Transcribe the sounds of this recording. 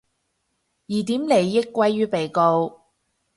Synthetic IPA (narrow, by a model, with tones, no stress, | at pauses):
jiː˨˩t̪iː˨˥mle˨˧jːɪ˥kːwɐ˥jːyː˥pe˨˩jko˧w